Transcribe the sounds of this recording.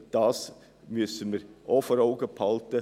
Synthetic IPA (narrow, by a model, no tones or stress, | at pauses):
d̥ɑs | mʏsənmɪɾʔofɔɾaʊɡəpʰhɑlt̪ə